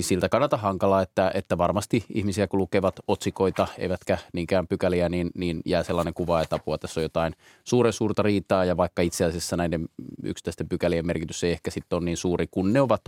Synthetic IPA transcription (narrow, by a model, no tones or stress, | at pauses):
silt̪ækɑnːɑt̪ɑhɑŋkɑlɑːet̪ːæet̪ːæʋɑrmɑst̪iihmisiækulukeʋɑt̪ot̪sikoit̪ɑḛiʋæt̪kæniːŋkæːmpykæliæniːnniːnjæːselːɑːneŋkuʋɑet̪ɑpuɑt̪æsːojot̪ɑin | suːɾensuːrt̪ɑriːt̪ɑːjɑʋɑikːɑit̪seæsesːænæidemy̰ksi̥t̪ːˑæst̪empykæliemmerkit̪yseiehkæsit̪ːonniːnsuːrikunneoʋɑt̪